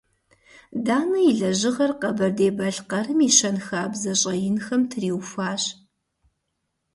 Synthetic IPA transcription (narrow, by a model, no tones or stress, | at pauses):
daːnɐjiɮɐʑɪʁɐrqɐbɐrdeːbɐɬqɐrɨmiʃɐnxaːbzɐɕʼɐjɪnxɐmtʰriːwfaːɕ